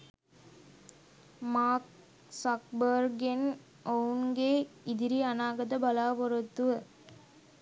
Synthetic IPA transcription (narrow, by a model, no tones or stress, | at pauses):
maːk̚ | sɐk̚bəɾɡen | onɡeːid̪iɾiɐnaːɡɐd̪ɐbɐlaːʋɔɾɐt̪ːuʋə